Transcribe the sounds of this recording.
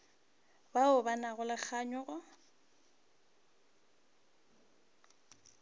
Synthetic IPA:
baʊbanaɣʊlak͡xʰaɲɔɣʊ

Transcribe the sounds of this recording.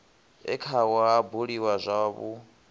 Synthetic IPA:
ɛ̰kʰawaɦabuɺiwazʷaβu

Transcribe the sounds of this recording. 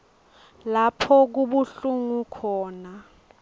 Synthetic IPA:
lapʰɔk̬uɓuɬuŋukʰɔːna

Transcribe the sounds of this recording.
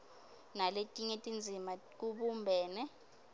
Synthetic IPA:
naletʼiŋetʼind͡zʱima | k̬uɓumbʱɛːnɛ

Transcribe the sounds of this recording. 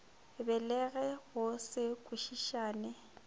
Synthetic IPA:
bɛlɛɣɛɣʊsɪkʼuʃiʃaːnɪ

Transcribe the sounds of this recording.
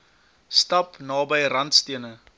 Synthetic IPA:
stɐpnɑːbəjrɐntstiənə

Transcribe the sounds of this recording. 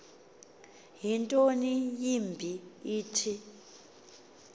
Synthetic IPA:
ɦintʼonijimbʱiiːtʰi

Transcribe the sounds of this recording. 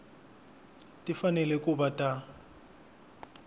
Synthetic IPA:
tʼifanɛlɛkʼubatʼa

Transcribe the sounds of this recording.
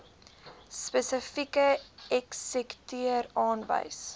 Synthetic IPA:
spəsəfikəɛksɛktyəɾɑːnvə̰js

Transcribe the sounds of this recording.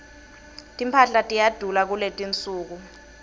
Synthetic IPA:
tʼimpʰaɬatʼijad̥ʱulak̬uletʼint͡sʼuːk̬u

